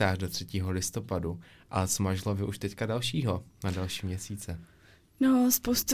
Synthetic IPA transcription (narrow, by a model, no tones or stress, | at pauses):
aːrdo̞t̪r̝̥ɛciːɦo̞lɪst̪o̞padu | ʔasmaʒlovɪʔuʃt̪ɛckadalʃiːɦo̞nadalʃiːmɲɛsiːt͡sɛ | nospowst̪